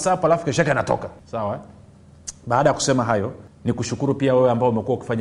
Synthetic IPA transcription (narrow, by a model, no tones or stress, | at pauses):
sapalafu̥kɛʃɛkainatɔ̰kasawa | ɓaːɗajaku̥sɛmaɦajɔnikuʃukuɾupiawɛwɛambaɔumɛkuwauki̥faɲ